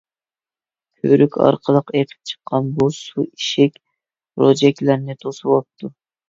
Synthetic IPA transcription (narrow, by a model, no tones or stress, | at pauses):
kʲʰøɾykʲʰɑ̰ɾqʰəlˠəqeqʰɪ̥p̚t͡ʃʰə̥qʰːɑnbusuiʃɛkʲ | ɾod͡ʒɛkʲlæɾnɪt̪ʰosuwɑp̚t̪ʰu